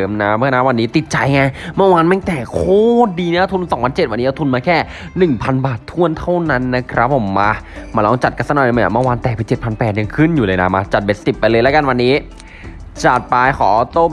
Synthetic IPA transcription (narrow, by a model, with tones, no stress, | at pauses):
mna˦˥mɯ˥˩˨na˦˥wa˧nːiː˦˥t̪i˨˩t̪̚t͡ɕa˧jŋa˧ma˥˩˨waː˧nmaː˧˥˩t̪ɛː˨˩kʰoː˥˩diː˧nː˦˥a˧t̪ʰu˧n˧sɔː˩˦pʰa˧nt͡ɕe˨˩wa˧nːi˦˥ʔt̪ʰu˧nmaː˧kʰɛː˥˩ | nɯ˨˩ŋpʰa˧nbaː˨˩t̪ʰːu˥˩ənt̪ʰa˥˩wna˦˥nːa˦˥kʰɾa˦˥p̚ʰːo˩˦mːa˧maː˧lɔː˧ŋt͡ɕa˨˩t̪̚ka˧˥sa˧naː˧˩˨a̰˧˩maː˧˩waː˧nt̪ɛː˨˩pʰi˨˩˦t͡ɕe˨˩t̪̚pʰa˧npɛː˨˩t̪̚ja˧ŋkʰɯ˥˩njuː˨˧lɤː˧jna˦˥maː˧t͡ɕa˨˩t̪̚be˨˩si˨˩pːa˧jlɤː˧lɛ˦˥ka˧nwa˧nːiː˦˥ | t͡ɕa˨˩t̪̚pa˧jkʰɔ̰ː˩˦t̪oː˥˩